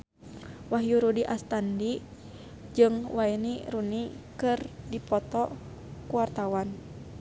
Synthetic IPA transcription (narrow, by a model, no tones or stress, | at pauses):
waɦjuɾudiʔast̪andi | d͡ʒɨŋwaeniɾunikɨrdipɔt̪ɔ | kuwart̪awan